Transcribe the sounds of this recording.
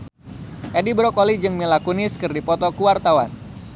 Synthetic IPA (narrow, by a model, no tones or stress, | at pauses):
ʔedibɾɔkɔlid͡ʒɨŋmilakunɪskɨrdipɔt̪ɔkuwart̪awan